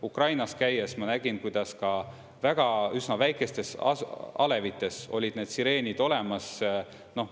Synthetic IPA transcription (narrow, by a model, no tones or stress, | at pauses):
ukrɑjnɑskæjesmɑnæɡ̥inkujd̪̥ɑskɑ | væɡ̥ɑysnɑvæjkˑe̞st̪e̞sɑ̰ɑle̞vit̪ːˑe̞so̞̰lʲid̪ne̞ːd̪siɾe̞ːnʲid̪̥o̞le̞mɑs | no̞